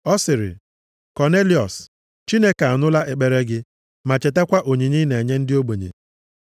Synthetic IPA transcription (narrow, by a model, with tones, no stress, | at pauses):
ɔ˦sɪ˨ɾɪ̰˨ | kɔ˨ne˦li˨ɔ̰˨s | t͡ʃi˦ne˦ka˨a˨nʊ˦la˦ʔe˨k͡pe˨ɾe˦ɡɪ˦ | ma˨t͡ʃe˨te˦kʷa˦ʔo˨ɲi˨ɲi˦ne˨ɲe˦n̩˦dɪ˦o˦ɡ͡bo˨ɲḛ˨